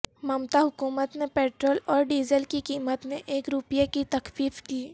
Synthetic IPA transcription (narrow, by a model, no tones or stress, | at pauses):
mɐmt̪aɦʊkuːmət̪nepeːʈɾoːlɔːɾɖiːzəlkikiːmət̪mẽʔeːkɾʊpjekit̪ɐkfiːfkiː